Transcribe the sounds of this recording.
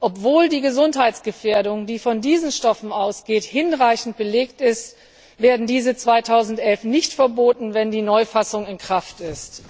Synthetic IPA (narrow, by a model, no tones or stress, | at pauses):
ʔɔpv̥oːldiːɡəzʊnthaɪtsɡ̥əfeːɐdʊŋdiːfɔndiːzn̩ʃtɔfn̩aʊsɡ̥eːthɪnʁaɪçn̩t̚b̥əleːktɪst | veːɐdn̩diːzət͡sv̥aɪtʰaʊzn̩tʔɛlfnɪçtfɛɐboːtn̩vɛndiːnɔʏfasʊŋɪnkʁ̥aftɪst